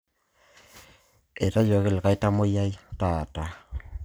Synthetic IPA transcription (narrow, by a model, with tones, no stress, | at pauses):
e˨ta˦d͡ʒo˨ke˦˨le˨ka˦i˦ta˦mo˦ja˦i˦ta˨ta˨